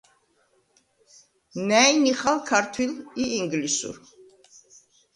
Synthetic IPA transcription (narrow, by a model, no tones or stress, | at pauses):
nɛjniχalkʰaɾt̪ʰwiliiŋɡlisṵɾ